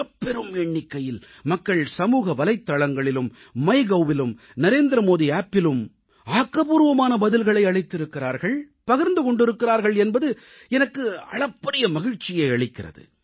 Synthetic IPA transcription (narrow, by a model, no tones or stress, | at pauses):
ɐpːɛɾɯmɛɳːɪkːɐjɪl | mɐkːɐɭsɐmuːɣɐʋɐlɐɪt̪ːaɭɐŋɡɐɭɪlɯmː | ɐɪɣɐwʋɪlɯm | nɐɾeːnd̪ɾɐmoːðiaːpːɪlɯm | aːkːɐbuːɾʋɐmaːnɐbɐðɪlɣɐɭɐɪɐɭɐɪt̪ːɪɾɯkːɪɾaːɾɣɐɭ | pɐɣɪɾnd̪ɯkɔɳɖɪɾɯkːɪɾaːɾɣɐɭɛnbɐðɯ | ɛnɐkːɯɐ̰ɭɐpːɐɾɪjɐmɐɣɪɻt͡ʃːɪjɐɪɐɭɪkːɪrɐ̰ðɯ̰